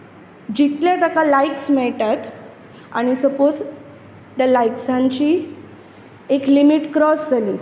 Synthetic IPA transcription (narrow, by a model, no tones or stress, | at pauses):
d͡ʑit̪ljat̪akalajksmɛɭʈat̪ | a̰ɽ̃isəpod͡z | t̪jalajksãɲt͡ɕiː | eklimiʈkɾɔsd͡zali